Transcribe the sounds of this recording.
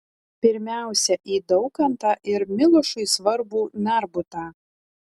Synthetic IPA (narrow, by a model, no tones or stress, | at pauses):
pʲɪɾʲmʲæˑʊsʲɛʔiːd̪ɒʊkɐnt̪ɑːʔɪɾmʲɪlˠʊʃʊɪsʋɐɾbuːnʲæɾbʊt̪aː